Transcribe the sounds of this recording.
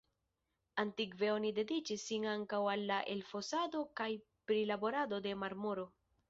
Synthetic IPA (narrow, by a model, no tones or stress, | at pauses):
antikve̞o̞nide̞dit͡ʃisːinaŋkawalːaʔe̞lfo̞sado̞kaj | pɾilabo̞ɾado̞de̞maɾmoɾo̞